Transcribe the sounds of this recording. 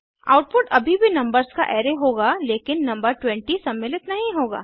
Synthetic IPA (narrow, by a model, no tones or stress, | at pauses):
a̰ːʊʈ̚pʊʈɐbʱibʱinɐ̃mbəɾskaʔɛːɾeɦoːɡaleːkɪnːɐ̃mbəɾʈwɛ̃ɳʈisɐmːɪːlɪt̪nɐɦĩɦoːɡa̰ː